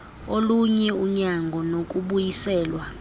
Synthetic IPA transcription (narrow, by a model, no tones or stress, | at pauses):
oluɲɛuɲaŋɡʱɔnok̬ʼuɓujisɛːlwa